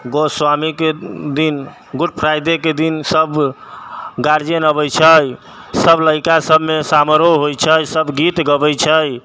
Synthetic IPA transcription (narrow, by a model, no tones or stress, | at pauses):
ɡoswamiked̪in | ɡuʈ̚pʰɾajd̪eked̪insəb | ɡaɾd͡ʒenəbəjt͡ʃʰəj | səbləjkasəbʱmesaməɾoɦojt͡ʃʰəjsəbʱɡit̪ɡəbəjt͡ʃʰəj